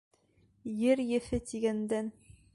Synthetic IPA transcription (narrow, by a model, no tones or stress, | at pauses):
jɘɾjɘ̆fɘt̪iɡænd̪æn